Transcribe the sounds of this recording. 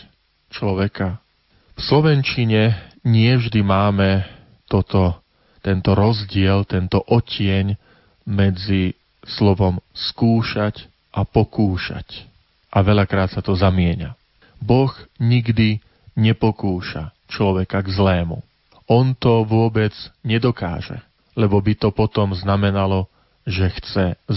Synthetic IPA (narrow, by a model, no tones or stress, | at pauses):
t͡ʃlɔʋɛka | fslɔʋɛnt͡ʃiɲɛɲɪɛvʒd̪imaːmɛ | t̪ɔt̪ɔ | t̪ɛnt̪ɔɾɔzɟɪɛlt̪ɛnt̪ɔʔɔcɪɛɲ | mɛd͡zi | slɔʋɔmskuːʃac | ʔapɔkuːʃa̰c | ʔaʋɛʎakɾaːt̪sat̪ɔzamɪɛɲa̰ | bɔɣɲiɡd̪i | ɲɛpɔkuːʃa̰ | t͡ʃlɔʋɛkaɡzlɛːmṵ | ʔɔnt̪ɔʋʊɔbɛd͡zɲɛd̪ɔka̰ːʒɛ̰ | lɛbɔbit̪ɔpɔt̪ɔmznamɛnalɔ | ʒɛxt͡sɛ